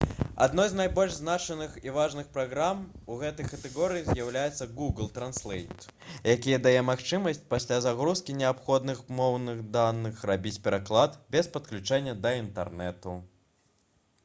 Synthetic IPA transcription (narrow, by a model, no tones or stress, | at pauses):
a̰d̪nɔjznajbɔlʲʐznat͡ʂɛnɨxivaʐnɨxpɾaɣɾamuɣɛt̪ɐjkɐt̪ɛɣɔɾɨjizjawlʲajɛt̪sːɐɡuɡlˠt̪ɾanslʲˠɛjt̪jakʲijɐd̪ajɛmaxt͡ʂɨmɐsʲt͡sʲpasʲlʲazaɣɾuskʲinʲɛapxɔd̪nɨxmɔwnɨxd̪anːɨxrabʲit͡sʲpʲɛɾaklˠat̪bʲɛspɐt̪klʲut͡ʂɛnʲːɐd̪ɐint̪ɛ̰rnɛt̪u